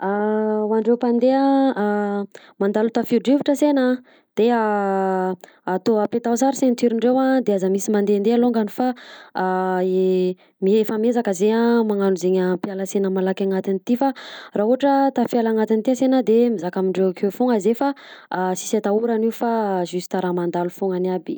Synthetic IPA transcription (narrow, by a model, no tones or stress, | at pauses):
awaɳɖ͡ʐewpand̪ea | mand̪alut̪afiɖ͡ʐiviʈ͡ʂəsenə | d̪̥ea | at̪oapet̪asaɾisent̪yɾiɳɖ͡ʐewad̪eazamisimand̪end̪ealoŋɡanifa | e | miefəmezakəzeamaŋanuzeɲampialasenəmalakʲaŋat̪init̪ifaraɦuɦaʈ͡ʂət̪afjalaŋat̪int̪iasenəd̪emizakamiɳɖ͡ʐewakʰewfuŋazefasi̥sat̪auɾaniwfazysi̥t̪aɾamand̪alufuŋanabi